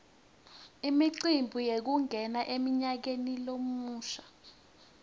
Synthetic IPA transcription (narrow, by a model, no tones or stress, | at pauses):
imiǀimbʱujek̬uŋʱɛnaʔemiɲak̬enilomuːʃḁ